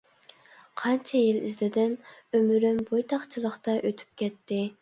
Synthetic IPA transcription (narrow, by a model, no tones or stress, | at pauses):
qʰɑnt͡ʃʰɛjilizlɪd̪ɪmømyɾymbojt̪ʰɑχt͡ʃʰilˠəχt̪ɑʔøt̪ʰy̥p̚kʲʰɛt̪ʰːɪ